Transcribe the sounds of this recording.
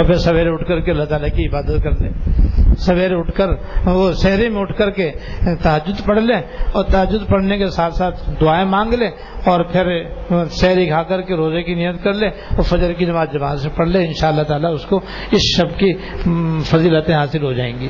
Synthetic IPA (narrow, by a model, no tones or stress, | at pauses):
opʰɪɾsɐʋeːɾeʊʈʰkəɾkeɐlːat̪aːlakiɪbaːd̪ət̪̚kɐɾlḛ̃ːsɐʋeːɾeʊʈʰkəɾosɛɦɾemẽʊʈʰkəɾket̪ɐɦəd̪ːʊd̪pɐɽ̤leɔːɾt̪ɐɦəd̪ːʊd̪pɐɽ̤nekesaːt̪ʰsaːt̪ʰd̪ʊaːẽmãːŋɡlẽː | ɔːɾpʰɪɾsɛɦɾikʰaːkɐɾkeɾoːzekinɪjət̪kɐɾlẽ | ofɐd͡ʒəɾkid͡ʒɐmaːt̪d͡ʒɐbaːzsẽpɐɽ̤leɪnʃaːəlːaɦt̪aːlaʊsko | ɪsʃɐbki | fɐziːlət̪ẽɦaːsɪlɦod͡ʒaːẽːŋɡiː